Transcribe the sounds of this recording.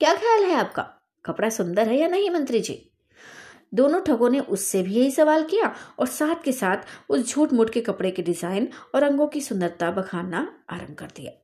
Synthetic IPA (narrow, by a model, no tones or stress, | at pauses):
kjaːxʰjaːlɦɛaːp̚ka̰ː | kɐpɽasʊ̃nd̪əɾɦɛjanɐɦĩmɐ̃nt̪ɾid͡ʒḭː | d̪oːnõʈʰɐɡõneʔʊsːebʱijɐɦisɐʋaːlkijaɔːɾsaːt̪ʰkesaːt̪ʰʊsd͡ʒʱuːʈmʊʈkekɐpɽekeɖɪzaːɪnɔːɾɐ̃ŋɡõkisʊ̃nd̪əɾt̪abɐkʰaːnaaːɾə̃mb̚kɐɾd̪ija̰ː